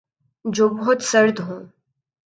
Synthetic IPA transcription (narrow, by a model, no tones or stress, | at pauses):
d͡ʒoːbɔɦʊt̪sɐɾd̪ɦũː